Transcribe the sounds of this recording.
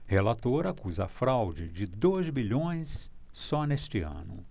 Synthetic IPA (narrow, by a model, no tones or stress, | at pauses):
helat̪oɾɐakuzɐfɾawd͡ʒɪd͡ʒɪd̪ojzbiʎõj̃sː | ɔnest͡ʃɪɐ̰̃nʊ